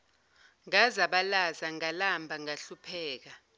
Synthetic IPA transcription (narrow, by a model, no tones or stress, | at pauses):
ŋazaɓalazaŋalambʱaŋaɬupʰɛːk̬a